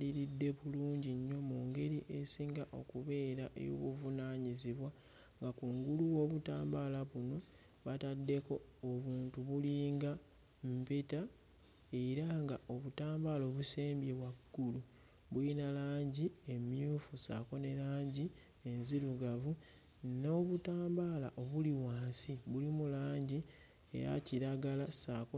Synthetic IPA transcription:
liɾidːe̞βuluːɲɟiɲːo̞muːŋɡe̞ɾiʔe̞siːŋɡaʔo̞̰kuβe̞ːɾaʔḛjo̰βuvunaːɲiziβwa | ŋɡakuŋɡuluwo̞ːβutaːmbalaβuno̞ | βatadːe̞ko̞ːβuːntuβuliːŋɡa | mpeta | eɾaŋɡaʔo̞βutaːmbalo̞βuseːmbjewaɡ̥ːulu | βuinalaːɲɟiemjuːfusa̰ːko̞ne̞ɾaːɲɟi | e̞nziɾuɡavu | no̞ːβutaːmbala̰ʔo̞βuliwaːnsiβulimulaːɲɟi | e̞̰ɾa̰ciɾaɡalasaːko

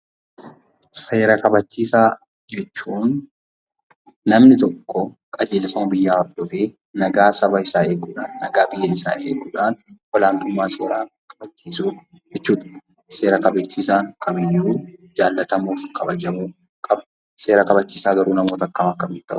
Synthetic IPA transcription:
seːɾɐkɐbɐt͡ʃːiːsaː | d͡ʒɛt͡ʃːuːn | ɐmnɪt̪ɔkːɔ | kʼɐd͡ʒeːlsɐmɐbɪjːaːɔɾd̪̥ɔfeː | nɐɡaːsɐbɐɪsaːe̞ːɡuːᶑaːnːɐɡaːbɪjːɐɪsa̰ːʔḛːɡuːᶑaːnwɔlaːnt̪ʊmːaːsoːɾaː | kʼɐbɐt͡ʃːiːsuː | d͡ʒɛt͡ʃːuːᶑɐ̥ | se̞ːɾɐkɐbɐt͡ʃːiːsaːŋkɐmɪnːuːd͡ʒaːlːɐt̪ɐmuːfkʰʼɐbɐd͡ʒɐmuː | kʼɐb | seːɾɐkɐbɐt͡ʃːiːsaːɡɐɾuːnɐmoːt̪ɐkːɐmɐkːɐmɪnt̪ːɐ̰ʔʊ̥

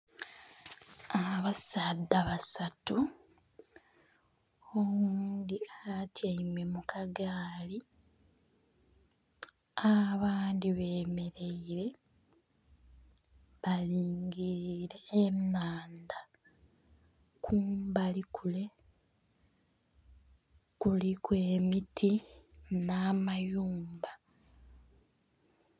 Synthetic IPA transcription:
aβasadːaβasatu | omuːnd̪iatʰjaimwe̞mukaɡaːli | aβaːndiβe̞ːme̞ɾe̞iɾe̞ | βaliːŋɡiɾeːmnaːnda | kʰuːmbalikʰule̞ | kulikwe̞ːmitʰinamajuːmba

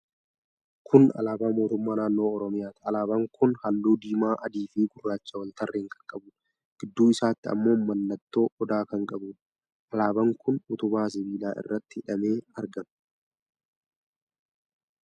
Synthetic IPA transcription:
kʰʊnɐ̰laːbaːmo̞ːt̪ʊmːaːnaːnːo̞ːɔɾɔmɪjaːt̪ɪɐlaːbɐŋkʰʊnhɐlːuːd̪iːmaːʔɐd̪iːfiːɡʊrːaːt͡ʃːɐwɐnt̪ɐrːeːŋkɐ̥ŋkʼɐbʊn | ɡ̥ɪd̪ːuːɪsaːt̪ːɪɐ̰mːo̞ːmɐnːɐt̪ːo̞ːʔɔd̪aːkɐŋkʼɐbʊn | ʔɐlaːbɐŋkʊnʊt̪ʊbaːs̬ɪbiːlaːʔɪ̰rːɐt̪ːɪhɪᶑɐmeːɐɾɡɐm

